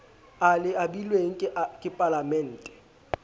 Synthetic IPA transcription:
alɪabilweŋ̩kʼɪkʼɪpʼalamɛn̩ːtʼɛ̥

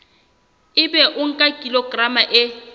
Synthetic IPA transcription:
ɪbɛʔʊŋ̩kʼakʼiloɡramaʔɪ

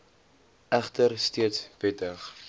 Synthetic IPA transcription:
ʔæχtərstiətsvɛtəχ

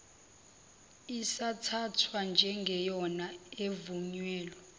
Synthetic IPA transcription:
isatʰatʰwand͡ʒʱɛŋɡʱɛjɔnaevuɲwɛːlɔ

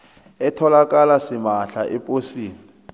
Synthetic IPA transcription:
ɛtʰɔlakʼalasɪmaɬaʔɪpʼosiːni

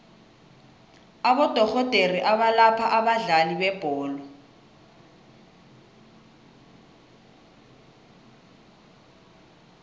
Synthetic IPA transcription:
abɔd̥ʱɔɣɔd̥ʱeriʔaβalapʰaʔabaɮalibɛb̥ʱɔːlɔ

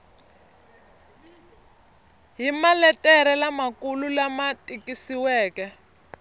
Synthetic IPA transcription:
ɦimalɛtɛɾɛlamakululamatikisiwɛːkɛ

